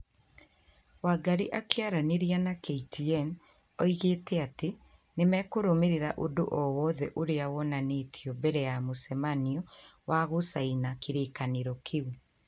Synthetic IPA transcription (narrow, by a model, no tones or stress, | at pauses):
waɡaɾiʔakeaɾaneɾianakeitiɛn | ɔiɣeːtɛate | nemɛkoɾomeɾeɾaʔodo̰ʔɔwɔðɛʔoɾeawɔnaneːtʰiɔbɛɾɛjamosɛmaniɔwaɣosainakeɾeːkaneɾɔkʰewe